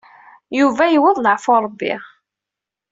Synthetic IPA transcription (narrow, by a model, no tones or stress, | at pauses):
juvæjəwəðˤləʕfoɾˤəbːḭ